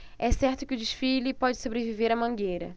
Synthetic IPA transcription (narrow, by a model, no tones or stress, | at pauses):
ɛsɛɾt̪ʊkɪʊd͡ʒɪʃfilɪpɔd͡ʒɪsobɾeviveɾɐmɐ̃ŋɡejɾɐ̰